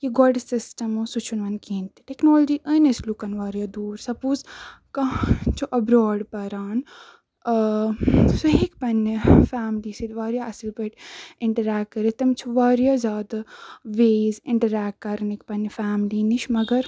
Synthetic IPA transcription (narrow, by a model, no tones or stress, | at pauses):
kiɡɔɖsisʈɐmusut͡ʃʰunʋɐnkiːnt̪i̥ʈeknoːlɐd͡ʒiːʔəːneslukɐnʋaːɾjaːd̪uːɾsɐpuːz | kɐt͡ʃʰuʔɐbɾoːɖpɐɾaːn | soɦekpɐnːifaːmliːsid̪ʋaːɾjaːɐsilpɐʈɪɳʈɐɾaːkkːɐɾit̪ɐmt͡ʃʰuʋaːɾjaːzjaːd̪ɐʋeːzɪɳʈɐɾaːkkɐɾnikpɐnːifaːmliːniʃmɐɡɐɾ